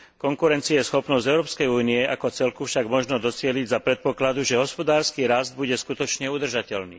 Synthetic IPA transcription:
kɔŋkuɾɛnt͡siajɛsxɔpnɔzɟ̪ɛʊɾɔːpskɛjuːniɛʔakɔt͡sɛlkufʃaɡmɔʒnɔd̪ɔt͡sɪɛliɟzapɾɛt̪̚pɔklad̪uʒɛɦɔspɔd̪aːɾskiːɾazd̪̚buɟɛskut̪ɔt͡ʃɲɛud̪r̩ʒacɛlnḭː

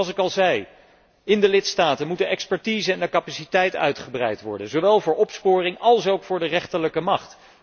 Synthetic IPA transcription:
sɪkɑlˠzɛj | ɪndəlɪtstaːtənmutənɛkspɛɹtiːzəɛndəkapasitɛjtœ̰ɥtχəbrɛ̰jtʋɔ̰ɹdənzowʋɛlˠvʊːɹɔpspʊːrɪŋɑlˠsowkfʊːɹdərɛχtələkəmɑχt

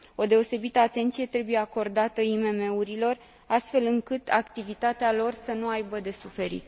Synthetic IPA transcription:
o̞d̪e̞o̞se̞bit̪əat̪e̞nt̪sije̞t̪ɾe̞buje̞ako̞rd̪at̪əime̞me̞uɾilo̞r | ast̪fe̞lɨŋkɨt̪akt̪ivit̪at̪ealo̞rsənuajbəd̪e̞sufe̞ɾḭt̪

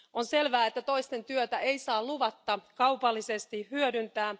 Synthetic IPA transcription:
ʔonse̞lʋæːet̪ːæt̪o̞ist̪e̞nt̪yøt̪æejsɑːluʋɑt̪ːɑkɑwpɑlːise̞st̪ihyødynt̪æː

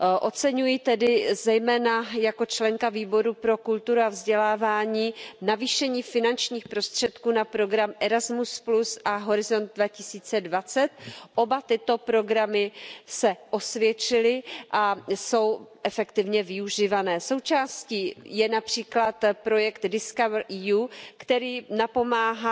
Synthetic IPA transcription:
ʔo̞t͡sɛɲujɪt̪ɛdɪzɛjmɛːnajako̞t͡ʃlɛŋkaviːbo̞ɾupɾo̞kult̪uɾuavzɟɛlaːvaːɲiːnaviːʃɛɲiːfɪnant͡ʃɲiːxpɾo̞st̪r̝̥ɛt̪kuːnapɾo̞ɡɾamʔɛɾazmusplusʔaɦo̞ɾɪzo̞nd̪̚dvacɪsiːt͡sɛdvat͡sɛt̪̚ʔo̞bat̪ɪt̪o̞pɾo̞ɡɾamɪsɛʔo̞svjɛt͡ʃɪlɪʔaso̞wʔɛfɛkt̪ɪvɲɛvɪuʒivanɛːso̞wt͡ʃaːsciːjɛnapr̝̥iːklat̪pɾo̞jɛkt̪dɪskavɾʔijuːkt̪ɛɾiːnapo̞maːɦa

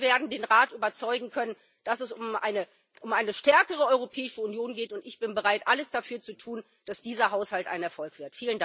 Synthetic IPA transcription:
veːɐdn̩deːnʁaːtʔyːbɐt͡sɔʏɡŋ̩kʰœnən | d̥asɛsʊmʔa̰ɪnə | ʔʊmʔaɪnəʃtɛɐkəʁ̞əɔʏʁopʰɛːɪʃəunjoːnɡeːtʊntɪçb̥ɪnbəʁaɪtʔaləsd̥afyːɐt͡sutʰuːn | d̥asd̥iːzɐɦaʊshaltʔa̰ɪnɛɐfɔlkv̥ɪɐtfiːlənda

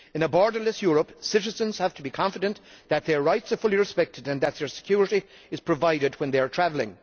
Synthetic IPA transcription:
ɨ̃nəbɔɹdə˞ləsjʊɹəpsɪɾɨzə̃nz̥hæv̥tʰəbikʰɑ̃ɱfɨdə̃nðɨt̪̚ðə˞ɹaɪtsə˞fʊlˠiɹɨspɛk̚tʰɨdɨ̃nðɨt̪̚ðə˞sɨ̥kʰj̥ʊɹɨɾi | ɨz̥pʰɹ̥ɨvaɪɾɨd̚wə̃nðeɪə˞tʰɹ̥ævl̩ˠɪ̰̃ŋ

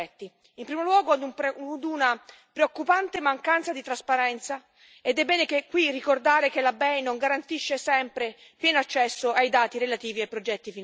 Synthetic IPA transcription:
ɛt̪ːi | impɾiːmolwɔːɡod̪ud̪una | pɾeokːupant̪emaŋkant̪sad̪it̪ɾaspaɾɛnt̪sa | ed̪ɛbːɛːnekekːwirːikord̪aːɾekelabɛjnoŋɡaɾant̪iʃːesɛmpɾe | pjɛːnoat͡ʃːɛsːoajd̪aːt̪iɾelat̪iːviajpɾod͡ʒɛt̪ːifin

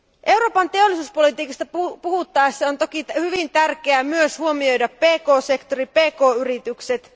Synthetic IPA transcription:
ʔe̞wɾo̞ːpɑnt̪e̞o̞lːisuːspo̞lit̪iːkɑst̪ɑupuhut̪ːɑesːɑont̪okihyʋint̪ærk̟eæmyøshuo̞mio̞jdɑpːe̞ːko̞ːse̞kt̪o̞ɾipe̞ːko̞ːyɾit̪ykset̪

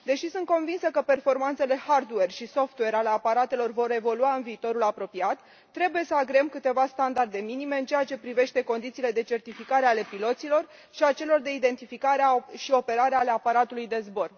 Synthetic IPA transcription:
d̪e̞ʃisunt̪̚ko̞nvinsəkəpe̞rfo̞rmant̪se̞le̞hard̪uwe̞rʃiso̞ft̪uwe̞ɾale̞apaɾat̪e̞lo̞rvo̞ɾe̞vo̞luaɨnviːt̪o̞ɾulapɾo̞piat̪ː | ɾe̞buje̞səaɡɾeemkɨt̪e̞vast̪and̪ard̪e̞minime̞ɨnt͡ʃe̞jat͡ʃe̞pɾive̞ʃt̪e̞ko̞nd̪it̪siːle̞d̪e̞t͡ʃe̞rt̪ifikaɾeale̞pilo̞t̪silo̞r | ʃiat͡ʃe̞lo̞rd̪e̞id̪e̞nt̪ifikaɾeaʃio̞pe̞ɾaɾeale̞apaɾat̪ulujd̪e̞zbo̞r

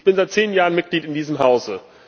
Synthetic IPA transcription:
çb̥ɪnzaɪt̚t͡seːnjaːʁənmɪt̚ɡ̥liːtɪndiːzəmɦaʊzə

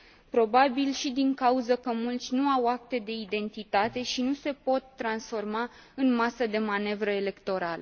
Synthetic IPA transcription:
pɾo̞babilʃid̪iŋkauzəkəmult̪sʲnuawak̚t̪e̞d̪e̞id̪e̞nt̪it̪at̪e̞ʃinuse̞po̞t̪ːɾansfo̞rmaɨnmasəd̪e̞mane̞vɾəele̞kt̪o̞ɾalə

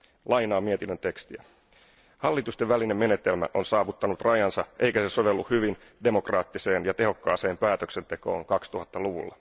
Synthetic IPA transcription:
lɑjnɑːmiet̪inːønt̪e̞kst̪iæ | hɑlːit̪ust̪eʋæline̞mːe̞ne̞t̪e̞lmæ̰ʔo̞nsɑːʋut̪ːɑnut̪rɑjɑnsɑʔe̞jkæse̞so̞ʋe̞lːuhyʋin | de̞mo̞krɑːt̪ːise̞ːnjɑt̪e̞ɦo̞kːɑ̰ːse̞ːmpæːt̪ø̞kse̞nt̪e̞ko̞̰ːŋkɑkst̪uhɑt̪ːɑluʋṵlːɑ

